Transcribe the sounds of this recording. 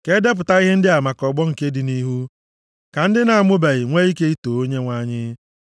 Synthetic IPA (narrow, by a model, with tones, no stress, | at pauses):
ke˦de˦p̬ʊ˨ta˦i˦ɦɪ˦n̩˦dɪ˦a˨ma˨kɔ˨ɡ͡bɔ˦ŋ̩˨ke˦dɪ˨ni˦ɦu˦ | ka˨n̩˦dɪ˦na˨a˨mʊ˦ba˨ɣɪ˨ŋʷe˦i˦ke˦i˦to˨o˦ɲe˦ŋʷa˦ɲɪ˦